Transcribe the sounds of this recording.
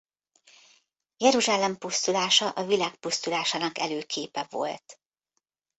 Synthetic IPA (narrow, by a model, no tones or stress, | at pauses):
jɛɾuʒaːlɛmpust̪ulaːʃɒʔɒvilaːkpust̪ulaːʃaːnɒkɛ̰løːkʰeːpɛvo̞̰lt̪